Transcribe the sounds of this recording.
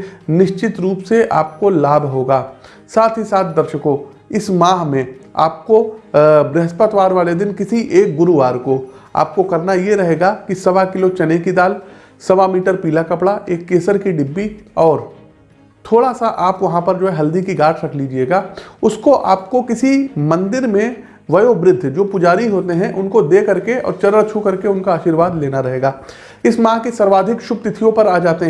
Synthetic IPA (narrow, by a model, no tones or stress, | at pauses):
nɪʃt͡ʃɪt̪ɾuːpseʔa̰ːp̚kolaːbʱɦoːɡaː | saːt̪ʰisaːt̪̚ʰd̪ɐɾʃəkõ | ɪsmaːɦmẽa̰ːp̚kobɾɛɦəspət̪ʋaːɾʋaːled̪ɪnkɪsiʔeːk̚ɡʊɾuʋaːɾko | a̰ːp̚kokɐɾnajeɾɐɦeːɡakisɐʋakɪlot͡ʃɐnẽkid̪aːl | sɐʋamiːʈəɾpiːlakɐpɽaʔeːkːeːsəɾkiɖɪbːiɔːɾ | t̪ʰoːɽasaʔaːpʋɐɦãpɐɾd͡ʒoːɦɛɦɐld̪ikiɡaːʈʰɾɐkʰlid͡ʒieːɡaːʊskoʔaːp̚kokɪsimɐ̃nd̪ɪɾmẽ | ʋɐjobɾɪd̪ʱːd͡ʒoːpʊd͡ʒaːɾiɦoːt̪eɦɛ̃ʔʊnkod̪eːkɐɾkeɔ̰ːɾt͡ʃɐɾəɾt͡ʃʰukɐɾkeʊnkaaːʃiːɾʋaːd̪leːnaɾɐɦeːɡaː | ɪsmãːkisɐɾʋaːd̪ʱɪkʃʊb̚t̪ɪt̪ʰijõpɐɾaːd͡ʒaːt̪eɦɛ̃